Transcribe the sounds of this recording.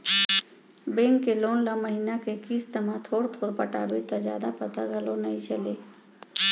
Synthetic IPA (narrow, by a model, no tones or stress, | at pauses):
bẽːŋkːeloːnlaməɦinakekiːst̪ɐmãt̪ʰoːɽt̪ʰoːpəʈa̰ːbet̪azja̰ːd̪apɐt̪aɡʱɐlonɐĩt͡ʃɐleː